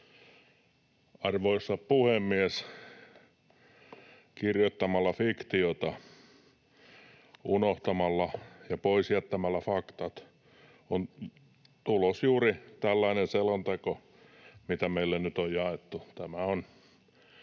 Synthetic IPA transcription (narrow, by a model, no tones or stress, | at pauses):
ɑrʋoisːɑppuhemːies | kirjot̪ːɑmɑlːɑfikt̪iot̪ɑ | unoht̪ɑmɑlːɑjɑpoisjæt̪ːæmælːæfɑkt̪ɑt̪ | on | t̪ulosjuːrit̪ælːɑinenselont̪eko | mit̪æmeilːennyt̪ojjɑet̪ːut̪æmæon